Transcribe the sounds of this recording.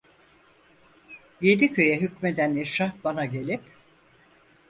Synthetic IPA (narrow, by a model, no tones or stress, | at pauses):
je̞d̪icʰø̞jɛɦycmed̪ænɛʃabanaɟe̞lʲip